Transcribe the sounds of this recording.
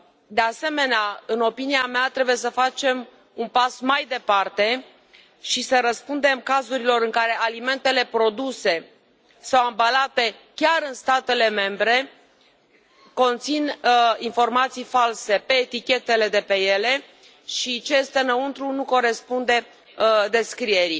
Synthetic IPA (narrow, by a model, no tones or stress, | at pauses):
d̪e̞ase̞me̞neaɨno̞piniameat̪ɾebuje̞s̬əfat͡ʃe̞m | unpasmajd̪e̞part̪e̞ | ʃisəɾəspund̪e̞mkazuɾilo̞ɾɨŋkaɾe̞ʔalime̞nt̪e̞le̞pɾo̞d̪use̞ | sawambalat̪e̞kʲaɾɨnst̪at̪e̞le̞me̞mbɾe̞ | ko̞nt̪sininfo̞rmat̪sijfalse̞pe̞ːt̪ikʲe̞t̪e̞le̞d̪e̞pe̞je̞le̞ | ʃit͡ʃejest̪e̞nəunt̪ɾunuko̞ɾe̞spund̪e̞ | d̪e̞skɾie̞ɾi